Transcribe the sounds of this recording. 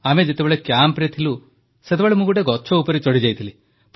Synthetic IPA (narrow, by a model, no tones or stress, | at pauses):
amed͡ʒet̪ebeɭekjampɾit̪ʰilu | set̪ebeɭemũɡuʈeɡɔt͡ʃʰɔupɔɾit͡ʃɔɽid͡ʒajt̪ʰili | p